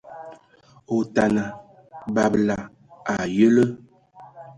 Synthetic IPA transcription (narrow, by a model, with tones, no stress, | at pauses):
o˨ta˨na˨ | ba˨bla˨ | a˨jə˦lə˦